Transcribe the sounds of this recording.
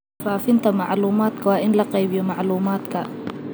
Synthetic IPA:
faːfɪnt̪ʰɐmɑʕluːmaːd̪kʰɐwɑːʔɪnlɐqɛjbɪjɔmɑʕluːmaːd̪kʰɐ

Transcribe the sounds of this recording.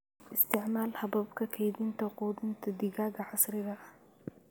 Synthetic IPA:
ʔɪst̪ʰɪʕmalhɐbɐbkʰɐkʰɐjd̪int̪ʰɐqʼud̪ɨnt̪ʰɐd̪iɡaɡɐʕasɾiɾɐ

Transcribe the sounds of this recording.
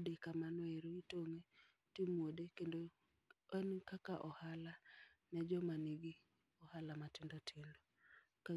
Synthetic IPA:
dekamanweɾoitoŋe | timwodekendo | ɛnkakaʔɔhala | nɛd͡ʒɔmaniɡi | ɔhalamatɪndɔtʰɪndɔ | ka

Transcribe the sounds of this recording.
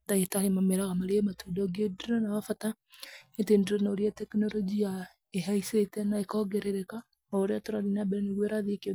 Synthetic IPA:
daitaɾemameɾaɣamaɾematudɔɡedɾɔnawafata | etendeɾɔnoɾiatɛknɔɾɔd͡ʒia | eɦaisetɛnaekɔɡɛɾeɾɛka | oɾeatoɾaɾinabɛɾɛneɣweɾaðekeo

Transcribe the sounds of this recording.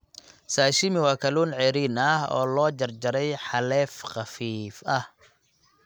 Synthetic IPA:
saːʃɪmɪwɑːkʰɐluːnʕɛːɾiːnɐhɔ̰ːlɔːd͡ʒɐrd͡ʒɐɾɛjħɑlɛːfqɑfiːfɐh

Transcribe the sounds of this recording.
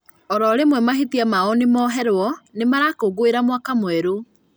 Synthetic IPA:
ɔɾɔɾemwɛmaɦetiamaɔnemɔɦɛɾwɔnemaɾakoɡoeɾamwakamoɛɾo

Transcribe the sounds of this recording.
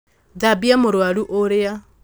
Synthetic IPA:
dabiamoɾwaluʔoɾea

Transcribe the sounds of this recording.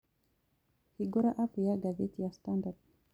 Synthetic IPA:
hiɡɔɾaʔapjaɡazɛtijastandad

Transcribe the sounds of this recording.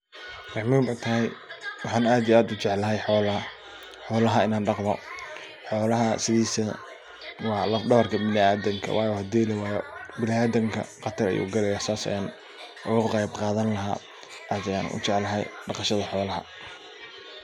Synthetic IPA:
rɑʕmiːmɛjt̪ʰɐɦɛjwɑħɑːnaːd̪ijaːd̪ʊt͡ʃɛʕlːɐɦɛjħɔːl | ħɔːlɐɦɐɪnaːnɖɑqmɔ̰ | ħɔːlɐɦɐsɪðiːsɐ | wɑːlɐɖɐβɐrkʰɐmɪlɪaːd̪ɐŋkʰɐ̰wʔɑ̰ːjɔhɐd̪iːlɐwɑːjɔbɪlɪaːd̪ɐŋkʰɐ̰qɑt̪ʰɐɾɐ̰jṵːɡɐlɛjɐsaːsɐ̰jaːn | ʔʊɣʊqɑjbqɑːðɐnlɐɦa̰ː | ʔaːd̪ɐja̰ːnʔʊ̰t͡ʃɛʕlɐɦɛ̰jɖɑqɑʃɐðɐħɔːlɐɦɐ̰

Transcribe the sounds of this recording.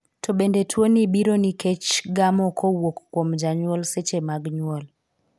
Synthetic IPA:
tʰobendetʰwonibiɾoniket͡ʃɡamɔkʰɔwokːwomd͡ʒaɲwɔlset͡ʃemaɡɲwɔl

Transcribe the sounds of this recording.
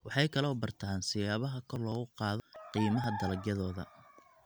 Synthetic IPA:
wɑħɑjkʰɐlɔːbɐrt̪ʰaːnsɪjaːβɐɦɐkʰɔrlɔːɣʊqɑːðɔqiːmɐɦɐd̪ɐlɐɡjɐðɔːðɐ̰

